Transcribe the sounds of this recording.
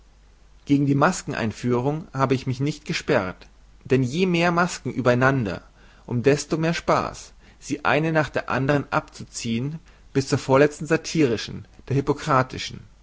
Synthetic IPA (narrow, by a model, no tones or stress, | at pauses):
ɡ̥eːɡŋ̩diːmaskŋ̩ʔa̰ɪnfyːʁ̞ʊŋhaːbəɪçmɪçnɪçtɡ̥əʃpɛʁt | d̥ɛnjeːmeːɐmaskŋ̩ʔyːbɐaɪnandɐ̰ | ʔʊmdɛstoːmeːɐʃpa̰ːs | z̥iːʔa̰ɪnənaːχd̥eːɐʔa̰ndəʁ̞ənʔa̰p̚t͡sut͡siːən | b̥ɪst͡suːɐfoːɐlɛt͡stn̩zatʰiːʁɪʃn̩d̥eːɐhypokʁ̥aːtʰɪʃn̩